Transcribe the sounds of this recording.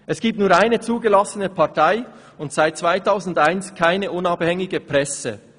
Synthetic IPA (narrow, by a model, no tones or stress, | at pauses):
ʔɛsɡ̥iːp̚tnuːɐaɪnət͡suːɡəlɑsənəpʰɑʁtʰaɪ | ʊntsaɪt̚t͡sv̥aɪtʰaʊzn̩daɪnskʰaɪnəʔʊnɑːbhɛŋɪɡəpʁɛsə̰